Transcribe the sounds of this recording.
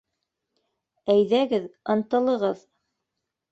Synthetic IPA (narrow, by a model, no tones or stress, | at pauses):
æjðæɡɘðɤ̆nt̪ɤ̆lˠɤ̆ʁɤð